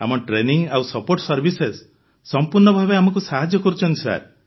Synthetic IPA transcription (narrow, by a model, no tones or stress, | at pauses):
a̰mɔʈɾeniŋɡawsɔpoɾʈsɔɾbʱisesː | ɔmpuɾɳɔbʱabeamɔk̬usaɦad͡ʒjɔkɔɾut͡ʃʰɔnt̪isa̰ɾ